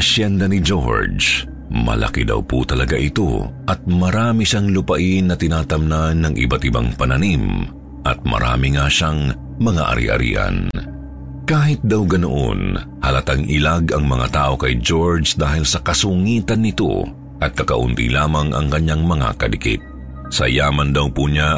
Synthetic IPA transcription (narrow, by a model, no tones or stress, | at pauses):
ʔɐʃjɛnd̪ɐnɪd͡ʒoɹd͡ʒ | mɐ̰lʔɐ̰kid̪ɐ̰wput̪ɐlɐɡaʔɪt̪o̞̰ʔɐt̪̚mɐɾaːmiʃaŋlʊpɐʔɪnːɐt̪ɪnaːt̪ɐmnanːɐŋʔɪ̰bat̪ɪba̰ŋpɐnɐnim | ʔɐ̰t̪̚mɐ̰ɾʔa̰ːmɪŋaʃaŋ | mɐŋa̰ʔɐ̰ɾḭʔɐ̰ɾḭːʔɐ̰n | kaːɦɪt̪̚d̪awɡɐnoʔo̰n | hɐlɐt̪aŋʔɪ̰laɡɐŋmɐŋa̰t̪aːʔo̞kɐjd͡ʒo̞ɹd͡ʒd̪aːɦɪlsɐkɐsʊŋiːt̪ɐnːɪt̪o̰ | ʔɐt̪̚kɐkɐʔʊnt̪ḭlaːmɐŋʔɐ̰ŋkɐɲaŋmɐŋa̰kɐlɪkḭt̪̚ | sɐjaːmɐnd̪ɐwpuɲa